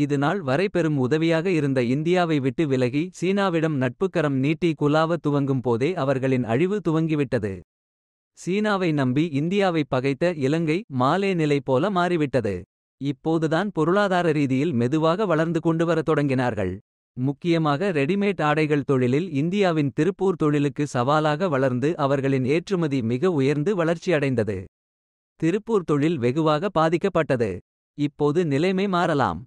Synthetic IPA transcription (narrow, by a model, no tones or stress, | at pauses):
ɪðɐnaːlʋɐɾɐɪpːɛɾɯmʊðɐʋɪjaːɣɐɪɾɯnd̪ɐɪnd̪ɪjaːʋɐɪʋɪʈːɯʋɪlɐɣisiːnaːʋɪɽɐmnɐʈ̚pɯkːɐɾɐmniːʈːikʊlaːʋɐt̪ʊʋɐŋɡɯmpoːðeːɐʋɐɾɣɐɭɪnɐ̰ɻɪʋɯt̪ʊʋɐŋɡɪʋɪʈːɐðɯ̰ | siːnaːʋɐɪnɐmbiɪnd̪ɪjaːʋɐɪpːɐɣɐɪt̪ːɐɪlɐŋɡɐɪmaːleːnɪlɐɪpːoːlɐmaːɾɪʋɪʈːɐðɯ̰ | ɪpːoːðɯðaːnpɔɾɯɭaːðaːɾɐɾiːðɪjɪlmɛðɯʋaːɣɐʋɐɭɐɾnd̪ɯkɔɳɖɯʋɐɾɐt̪ːɔɽɐŋɡɪnaːɾɣɐ̰ɭ | mʊkːɪjɐmaːɣɐɾɛɽɪmeːʈaːɽɐɪɣɐɭt̪ɔɻɪlɪlɪnd̪ɪjaːʋɪnt̪ɪɾɯpːuːɾt̪ɔɻɪlɯkːɯsɐʋaːlaːɣɐʋɐɭɐɾnd̪ɯʔɐʋɐɾɣɐɭɪneːʈrɯmɐðimɪɣɐʊjɐɾnd̪ɯʋɐɭɐɾt͡ʃːiɐɽɐɪnd̪ɐðɯ̰ | t̪ɪɾɯpːuːɾt̪ɔɻɪlʋɛɣɯʋaːɣɐbaːðɪkːɐpːɐʈːɐðɯ̰ | ɪpːoːðɯnɪlɐɪmɐɪmaːɾɐla̰ːm